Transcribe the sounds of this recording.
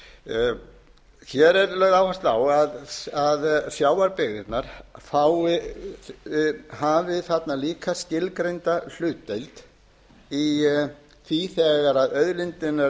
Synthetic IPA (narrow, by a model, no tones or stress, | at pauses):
çɛɾɛɾlœɥɣðaːwhast̪lawaðaðsjaːwaɾpɪɣɪt̪naɾ̥faːwɪ | havɪθat̪naliːkʰascɪlkɾejnt̪al̥ʏːt̪ːejlt̪ | i | θiθɛːɣaɾaðœðlɪnt̪ɪna